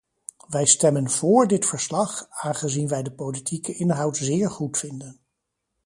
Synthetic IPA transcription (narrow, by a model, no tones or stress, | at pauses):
ʋɛjstɛmənv̥ʊːɹdɪtfəɹslɑχaːnχəzinʋɛjdəpowlitʰikəʔɪnɦɑwtzɪːɹχutfɪndən